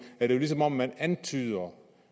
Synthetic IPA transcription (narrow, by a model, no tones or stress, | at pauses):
æɐd̥e̝jo̝lis̬ɒ̽mɒ̽m̰ːænænt͡sʰyːðˠɐ